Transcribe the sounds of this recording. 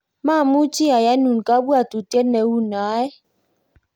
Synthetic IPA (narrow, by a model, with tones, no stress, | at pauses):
ma˦˨mu˦t͡ʃi˦a˨ja˦nu˨n˨ka˦bu˦a˨tu˨tje˦tne˨wu˦na˨˦ɛ˦